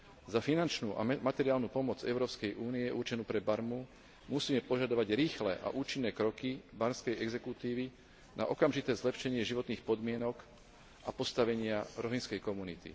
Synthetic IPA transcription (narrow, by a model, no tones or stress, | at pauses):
zafinant͡ʃnuːʔa̰mat̪ɛɾiaːlnuːpɔmɔd͡zɛ̰ʊɾɔːpskɛjʔuːniɛʔuɾt͡ʃɛnuːpɾɛbaɾmu | musiːmɛpɔʒad̪ɔʋaɟɾiːxlɛʔa̰ʔuːt͡ʃinːɛːkɾɔkibaɾmskɛjɛɡzɛkut̪iːʋi | na̰ʔɔkamʒit̪ɛːzlɛpʃɛɲɪɛʒiʋɔt̪niːxpɔd̪mɪɛnɔk | ʔapɔst̪aʋɛɲɪaɾɔɦinskɛjkɔmunit̪ḭ